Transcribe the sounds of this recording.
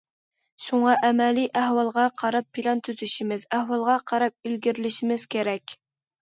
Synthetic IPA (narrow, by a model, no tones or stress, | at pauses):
ʃuŋɑʔɛmɛliʔæɦwɑlˠʁɑqʰɑɾɑpʰːilˠɑnt̪ʰyzyʃimɪzæhwɑlˠʁɑqʰɑɾɑp̚ilɡʲiɾlɪʃimɪz̥kʲʰeɾɛkʲ